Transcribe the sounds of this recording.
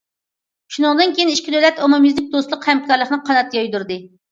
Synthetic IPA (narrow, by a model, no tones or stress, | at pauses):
ʃunɨŋd̪ɨnkʲʰejiniʃkʲid̪ølɛt̪omomizɪk̚d̪oslˠʊqhɛmkʰɑɾlˠəχnɨqʰɑnɑt̪jɑjd̪uɾd̪ɨ